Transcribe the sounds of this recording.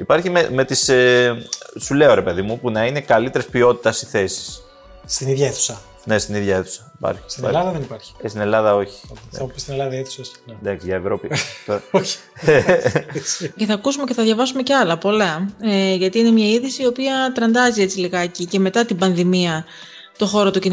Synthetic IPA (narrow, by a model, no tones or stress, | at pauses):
ipɐɾçimeme̞t̪is | sule̞o̞ɾe̞pe̞ðimupunɐine̞kɐlit̪e̞ɾespio̞t̪i̥t̪ɐsiθe̞si̥s | st̪iniðʝɐeθu̥sɐ | ne̞st̪iniðʝɐeθu̥sɐipɐ̰ɾçi̥st̪in̰lɐðɐðenipɐɾçi̥st̪ine̞lɐðɐo̞çi̥̰ɐmupist̪inelɐðɐeθusɐsned̪ɐksiʝɐevɾo̞pit̪oɾɐoçi̥ | ce̞θɐkusumeceθɐðʝɐvɐsume̞ceɐlɐpo̞lɐeʝɐt̪iine̞mɲɐiðisiːo̞piɐt̪ɾɐnd̪ɐzie̞t͡siliɣɐecice̞me̞t̪ɐt̪ibɐnðimiɐ | t̪o̞xo̞ɾot̪ucin